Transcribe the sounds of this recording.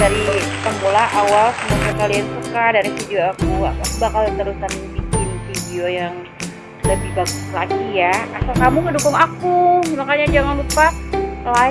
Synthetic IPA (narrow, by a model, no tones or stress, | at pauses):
daɾipəmbolaʔawalsəmasakaliansukadaɾifidioakuawasbakalt̪əɾusanbikɪnfideojaŋ | ləbɪhbaɡʊslaɡijaa̰sakamukədukʊŋakumakaɲad͡ʒaŋanlupala